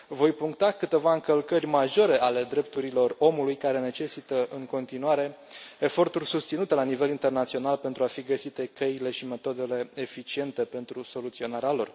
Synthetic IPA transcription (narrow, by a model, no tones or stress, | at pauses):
vo̞jpuŋk̚t̪akɨt̪e̞vaɨŋkəlkərʲmaʒo̞ɾe̞ʔale̞d̪ɾe̞p̚t̪uɾilo̞ro̞mulujkaɾe̞ne̞t͡ʃe̞sit̪əʔɨŋko̞nt̪inuaɾe̞efo̞rt̪urʲsust̪sinut̪e̞lanive̞lint̪e̞rnat̪sio̞nalpe̞nt̪ɾuafiɡəsit̪e̞keile̞ʃime̞t̪o̞d̪e̞le̞efit͡ʃie̞nt̪e̞pe̞nt̪ɾuso̞lut̪sio̞naɾealo̞r